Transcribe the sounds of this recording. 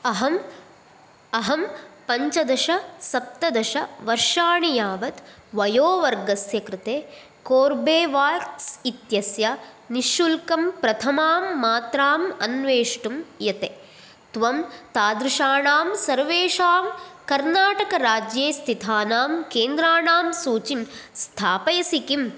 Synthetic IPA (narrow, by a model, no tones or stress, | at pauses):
ɐɦɐm | ɐɦɐmpɐɲt͡ʃɐd̪ɐʃɐsɐp̚t̪ɐd̪ɐʃɐʋɐɾʂaːɳijaːʋɐt̪ | ʋɐjoːʋɐɾɡɐsjɐkɾɪt̪eː | koːɾbeːʋaːɾsit̪jɐsjɐ | niʃulkɐmpɾɐt̪ʰɐmaːmːaːt̪ɾaːmɐnʋeːʂʈumjɐt̪e | t̪ʋɐmt̪aːd̪ɾɪʃaːɳaːmsɐɾʋeːʂaːmkɐɾnaːʈɐkɐɾaːd͡ʒjeːst̪ʰit̪ʰaːnaːmkeːnd̪ɾaːɳaːmsuːt͡ʃinst̪ʰaːpɐjɐsikim